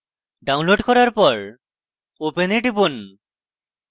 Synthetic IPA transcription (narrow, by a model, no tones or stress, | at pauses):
ɖawnloɖkɔɾaɾpɔɹ | openeɖibon